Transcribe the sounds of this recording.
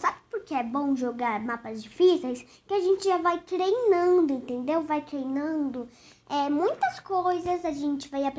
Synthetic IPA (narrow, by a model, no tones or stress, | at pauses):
sabɪpʊɾkeɛbõw̃ʒoɡaɾmapɐzd͡ʒifisejs | kɪaʒẽnt͡ʃɪʒavajt̪ɾejnɐ̃nd̪ʊẽnt̪ẽnd̪ewvajt̪ɾejnɐ̃d̪ʊ | ɛmũj̃t̪ɐskojzɐzaʒẽnt͡ʃɪvajap